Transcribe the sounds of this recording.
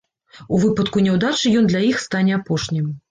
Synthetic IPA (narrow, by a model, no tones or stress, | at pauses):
uvɨpɐt̪kunʲɛwd̪at͡ʂɨjɔnd̪lʲajixst̪anʲɛapɔʂnʲim